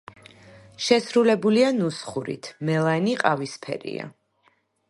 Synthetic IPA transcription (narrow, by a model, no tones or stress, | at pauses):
ʃɛsɾulɛbulianusχuɾḭt̪ʰmɛlˠaniqʼavispʰɛ̰ɾḭa̰